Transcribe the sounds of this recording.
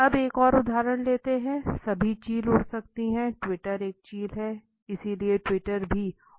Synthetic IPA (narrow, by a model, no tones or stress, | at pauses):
ɐbeːkɔːɾʊd̪ʱaːɾəɽ̃leːt̪eɦɛ̃sɐbʱit͡ʃiːlʊɽsɐkt̪iɦɛ̃ʈwɪʈəɾeːk̚t͡ʃiːlɦɛ | ɪsilieʈwɪʈəɾbʱiː